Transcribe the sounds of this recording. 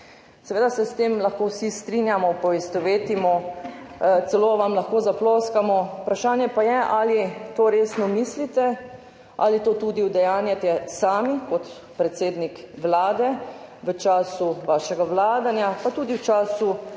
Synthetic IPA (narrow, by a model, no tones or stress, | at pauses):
sɛʋeːd̪asɛst̪eːmlaxkowsist̪ɾinjamɔpɔʋɛst̪ɔʋeːt̪imɔ | t̪sɛloːʋamlaxkoːzaploːskamɔupɾaʃaːnjɛpajɛʔalit̪oːɾeːsnɔmislit̪ɛ | ʔa̰lit̪oːt̪ud̪iwd̪ɛjaːnjat̪ɛsaːmikɔt̪ | pɾɛt̪seːd̪nikʋlaːd̪ɛʋət͡ʃaːsuʋaːʃɛɡaʋlaːd̪anjapat̪uːd̪iwt͡ʃaːsu